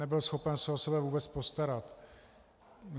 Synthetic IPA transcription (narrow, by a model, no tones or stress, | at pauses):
ɛbɪlsxo̞pɛnsɛosɛbɛvuːbɛt͡spo̞st̪aɾat̪